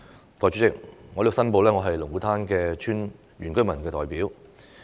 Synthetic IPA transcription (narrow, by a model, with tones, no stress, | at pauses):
t̪ɔː˨jt͡ʃyː˨˥t͡sɪ˨k̚ŋɔː˨˧lsɐ˥np̬o˨˧wlɛː˥ŋɔː˨˧ɦɐ˨jlʊ˨˩ŋku˨˥t̪ʰaː˥nkɛː˧t͡ʃʰyː˥n | ɥyː˨˩nkɵ˥ɥmɐ˨˩nkɛː˧t̪ɔː˨jpiː˨˥w